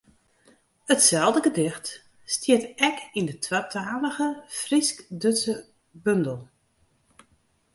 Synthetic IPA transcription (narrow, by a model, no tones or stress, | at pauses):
ətsɛlˠdəɡədɪxt | stiətɛkindətʰwatʰaːləɣəfriskdøsə | bɵndəl̩ˠ